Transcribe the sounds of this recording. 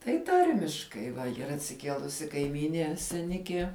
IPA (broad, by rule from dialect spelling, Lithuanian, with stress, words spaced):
tɐɪ ˈtɐrʲmʲɪʃkɐɪ iːˈrɐ ɐtʲsʲɪˈkʲiɛlˠʊsʲɪ kɐɪˈmʲiːnʲiɛ sʲɛˈnʲɪkʲiɛ